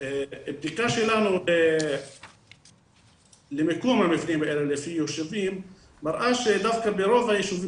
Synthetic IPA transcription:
eb̚d̪ikaʃelanule | lemekomhamevnimbeʔelelefijoʃevimː | aɾʔaʃed̪afkabeɾovhajeʃuvi

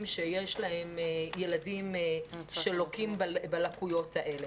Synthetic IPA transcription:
mʃejeʃlahe̞mjeladimʃelokimbalakujo̞thaʔe̞le

